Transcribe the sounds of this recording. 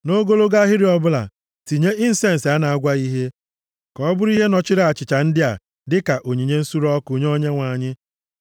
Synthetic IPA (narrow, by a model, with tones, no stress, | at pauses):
no˦ɡo˦lo˦ɡa˦ɦɪ˦ɾi˨ɔ˦bʊ˦la̰˨ | ti˨ɲe˦ʔɪ˦n̩˨se˦n̩˨sa˦na˨a˦ɡʷa˦i˦ɦe˦ | kɔ˦bʊ˦ɾi˦ɦe˦nɔ˨t͡ʃɪ˦ɾa˨a˨t͡ʃɪ˨t͡ʃa˨n̩˦dɪ˦a˨ | dɪ˦ka˨ʔo˨ɲi˨ɲe˦n̩˦su˦ɾɔ˦ku˨ɲ˦o˦ɲe˦ŋʷa˨ɲɪ˦